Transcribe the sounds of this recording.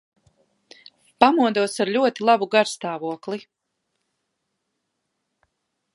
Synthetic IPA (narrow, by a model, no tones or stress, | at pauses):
pamuɔd̪uɔsaɾʎʲuɔt̪ilˠabuɡaɾst̪aːvuɔklˠi